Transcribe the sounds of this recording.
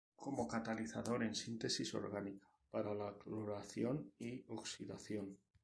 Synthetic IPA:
kʰomokat̪aliθaðo̞ɾe̞nsint̪esiso̞̰ɾɣanikḁ | paɾalakloɾaθjonioksiða̰θjon

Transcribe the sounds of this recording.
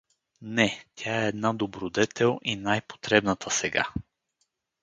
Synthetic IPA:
nɛt̪ʲʰaɛːd̪nad̪obɾod̪ɛt̪ʰɛlˠinajpo̥t̪ɾɛbnət̪ʰəsɛɡa̰

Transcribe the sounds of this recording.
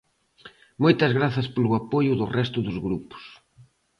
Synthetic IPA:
mojt̪ɐzɣɾaθɐspolʊapojʊðʊrɛst̪ʊðʊzɣɾupʊ̥s

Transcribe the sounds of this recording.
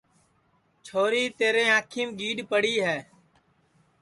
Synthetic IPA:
t͡ʃʰoːɾiːt̪eːɾẽːãːkʰiːmɡiːɗpəɽiːɦɛː

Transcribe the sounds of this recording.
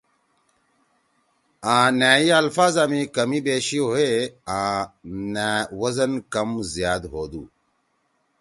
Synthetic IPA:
ãːnaːiɐlfaːzaːmĩkɐmibeːɕioeãːnaːwɐzɐnkɐmzijaːd̪ɦoːd̪uː

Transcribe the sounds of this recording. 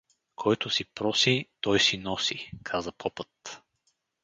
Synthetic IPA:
kʰɔjt̪ʊsipɾɔsit̪ɔjsinɔsikʰazəpʰɔpɤt̪

